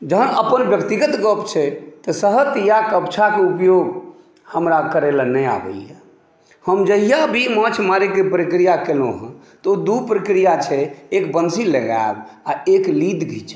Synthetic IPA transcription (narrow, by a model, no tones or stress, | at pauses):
d͡ʒəɦənəpənbjəkt̪iɡət̪ɡəpt͡ʃʰɛt̪əsəɦət̪ijakəbt͡ʃʰakeupjoɡ | həmɾakəɾelənɛja̰bə̰jɛ | həmd͡ʒəɦijabʱimat͡ʃʰmaɾekepɾikɾijakelõɦə̃ | t̪ɔod̪upɾikɾijat͡ʃʰɛekbənsiləɡa̰baeklid̪ɡʱit͡ʃ